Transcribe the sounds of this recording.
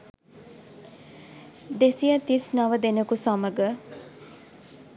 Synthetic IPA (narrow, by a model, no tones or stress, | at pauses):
d̪esijat̪isnaʋəd̪enəkusaməɡə